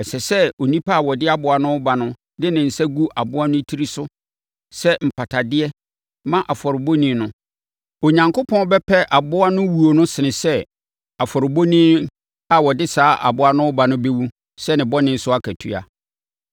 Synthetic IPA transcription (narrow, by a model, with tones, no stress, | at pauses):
ɛ˨sɛ˨sɛ˦o˨nĩ˦pʰa˦˨wɔ˨dɪ˦a˦bʊ˨a˨nʊ̃˦ʊ˦ba˨nʊ̃˦ | dɪ˦nɪ̃˨n̩˨sɛ˦ɡu˦ʔa˨bʊ˦a˦nʊ̃˦tʰi˦ɾi˦sʊ˦ | sɛ˦m̩˨pʰa˨tʰa˨dɪ˦ɛ˦ | mã˦ʔa˨fɔ˨ɾɪ˨bo˦nĩ˦nʊ̃˦ | o˨ɲã˨ŋkʊ˦pʰɔ̃˦bɛ˦pʰɛ˦ʔa˨bʊ˦a˦nʊ̃˦wu˨o˨nʊ̃˦sɪ˨nɪ̃˨sɛ˦ | a˨fɔ˨ɾɪ˨bo˦nĩ˦ | a˨wɔ˨dɪ˦saː˨˦ʔa̰˨bʊ˦a˦nʊ̃˦ʊ˦ba˨nʊ̃˦be˦wu˦ | sɛ˦nɪ̃˨bɔ˦nɪ̃˦n̩˦sʊ˦a˦kʰæ˨tʰu˦a̰˨